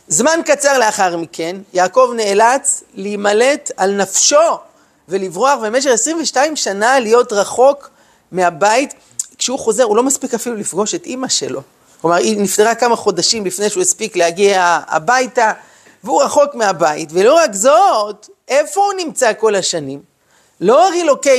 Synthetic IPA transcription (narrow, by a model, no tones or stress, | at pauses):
zmankat͡saʁle̞aχaʁmike̞njaːko̞vneːlat͡sliːmale̞talnafʃo̞ | ve̞livʁoaχbeme̞ʃ̬e̞χesʁiɱveʃtaimʃanalijo̞tʁaχo̞k | meabait | kʃeuχo̞ze̞ʁulo̞maspikafilulifɡo̞ʃetʔimaʃe̞̰lo̞ | klo̞maʁinift̪eʁakamaχo̞daʃimlifnejʃeujespiklehaɡiaa̰bajta | veuʁaχo̞kmeabaḭtve̞lo̞ʁakzot | e̞fo̞unimt͡sako̞laʃanim | lo̞ʁiloke